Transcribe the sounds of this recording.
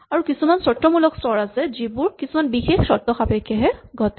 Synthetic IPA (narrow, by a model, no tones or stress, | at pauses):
aɹukisumansɔtːɔmulɔkstɔɹasɛzibuɹkisumanbixexsɔtːɔxapɛkʰːjaɦɛɡʱɔtɛ